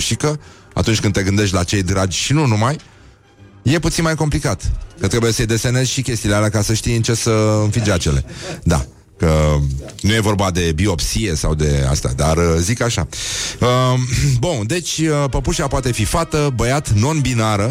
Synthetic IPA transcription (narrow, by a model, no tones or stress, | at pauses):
ʃikə | a̰t̪unt͡ʃʲkɨnd̪t̪e̞ɡɨnd̪e̞ʃt̪ʲlat͡ʃe̞jd̪ɾad͡ʒʲʃinunumaj | je̞put̪sinmajko̞mplikat̪kɾet̪kebujesəjd̪e̞se̞ne̞zʲʃikʲe̞st̪ilealakasəʃt̪ijɨnt͡ʃe̞səɨnfid͡ʒat͡ʃele̞̰d̪a̰ | kə | nuje̞vo̞rbad̪e̞bio̞psie̞sa̰wd̪e̞a̰st̪ea̰d̪arzikaʃa̰əbund̪e̞t͡ʃʲəpəpuʃapoat̪e̞fifat̪əbəjat̪no̞nbinaɾə